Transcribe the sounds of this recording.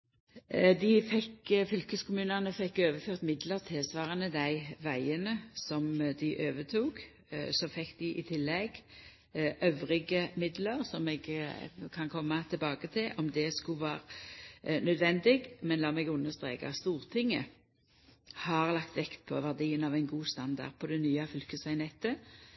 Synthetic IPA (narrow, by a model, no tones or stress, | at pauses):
d̪ɪfɛkfʏlkəskʊmʉːnɑnəfɛkːøːʋəføːʁt̪mɪd̪ləʁt̪ʰɪlsʋɑːʁənəd̪æɪʋæɪənəsɔmd̪ɪʔøːʋət̪ʰuːɡ | sɔfɛkːd̪ɪʔɪt̪ʰɪlːɛɡ | ʔœʋʁɪɡəmɪd̪ləʁsɔmɛɡkʰɑnkʰɔmːɑt̪ʰɪlbɑːɡət̪ʰɪlʔɔmd̪ɛskʉʋɑːʁ | nœd̪ʋɛnd̪ɪɡmɛnlɑːmɛɡʉnːəst̪ʁeːkɑ̰st̪uːʁt̪ʰɪŋːə | hɑʁlɑkt̪ʋɛkt̪pʰɔ̰ʋæʁd̪iːənɑʋæɪnɡuːst̪ɑnd̪ɑ̰ʁd̪̚pʰɔd̪ɛnyːɑfʏlkəsɑɪnɛt̪ə